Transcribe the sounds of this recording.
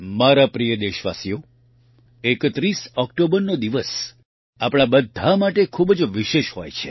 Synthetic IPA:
maɾapɾijəd̪eʃʋa̰sijo | ekət̪ɾisɔkʈobəɾnod̪iʋəs | apɽ̃abəd̪ʱamaʈekʰubd͡ʒʋiʃeʃɦo̰jt͡ʃʰḛ

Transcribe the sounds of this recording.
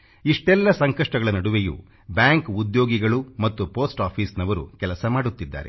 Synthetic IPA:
iʂʈɛlːɐsɐŋkɐʂʈɐɡɐɭɐnɐɽuʋejṵ | bjaːŋkud̪jo̞ːɡiɡɐɭumɐt̪ːupoːsʈaːpʰiːsnɐʋɐɾṵkɛlɐsɐmaːɽut̪ːid̪ːa̰ːɾḛ

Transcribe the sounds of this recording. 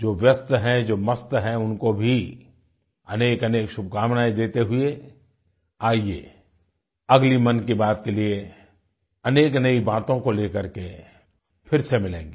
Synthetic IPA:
d͡ʒoːʋjəst̪ɦɛ̃d͡ʒoːmɐst̪ɦɛʊnkobʱi | ɐneːkɐneːkʃʊb̚ʱkaːmnaːid̪eːt̪eɦʊe | aːiḛ | ɐɡlimɐnkibaːt̪kelie | ɐneːknɐibaːt̪õkoleːkəɾke | pʰɪɾsemɪlḛ̃ːŋɡeː

